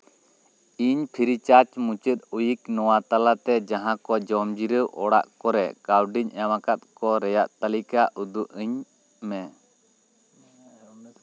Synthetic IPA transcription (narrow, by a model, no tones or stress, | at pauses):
iɲpʰiɾit͡ʃaɾt͡ʃmũt͡ʃət̪̚ujiknɔwat̪alat̪ɛd͡ʒaɦãkɔd͡ʒɔmd͡ʒiɾəʔɔɽa̰ʔkɔɾɛkawɖiɲɛwãkat̪̚kɔɾɛjaʔt̪alikaʔud̪uʔəɲ | mɛ